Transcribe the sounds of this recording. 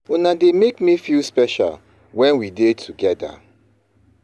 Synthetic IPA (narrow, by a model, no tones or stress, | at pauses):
unademekmifilspɛʃa̰l | wɛ̃nwidetʰuɡɛda̰